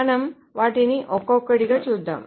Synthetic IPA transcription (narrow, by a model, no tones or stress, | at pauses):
nɐm | ʋaʈiniʔɔkɔkːəɽiɡət͡ɕud̪ʱːə̰m